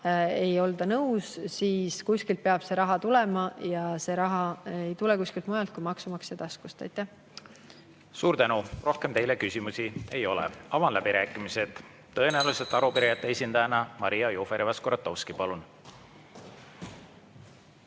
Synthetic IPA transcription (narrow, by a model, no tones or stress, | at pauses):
e̞jo̞ld̪ɑnɤwssiːskusʲkilt̪̚peɑb̥se̞ɾɑɦɑt̪ulɛ̞mɑjɑse̞ɾɑɦɑe̞jt̪ulɛkuskilt̪̚mujɑlt̪̚kujmɑksumɑksjɑt̪ɑskust̪ɑ̰jt̪ːˑæh | suːɾt̪ænuro̞hkemt̪e̞jlekysʲimusie̞jo̞lɛ̰ɑvɑnlæbiɾæːkːˑimise̞d̪̥ | t̪ːɤenæluset̪ːˑɑɾupiɾejɑt̪ːeesʲind̪ɑjɑnɑmɑɾijɑjoːfeɾivɑskoɾɑt̪ːˑowskipɑlun